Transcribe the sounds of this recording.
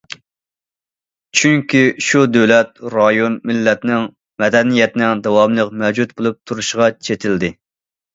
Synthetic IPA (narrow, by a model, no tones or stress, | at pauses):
t͡ʃʰyŋkʲiʃud̪øwlɛt̪̚ɾɑjonmɪlːɛt̪nɪŋ | mɛd̪ɛnijɛt̪nɪŋd̪ɑwɑmlˠəqmɛwd͡ʒut̪̚bolˠup̚t̪ʰuɾuʃʁɑt͡ʃʰet̪ʰɪld̪ɪ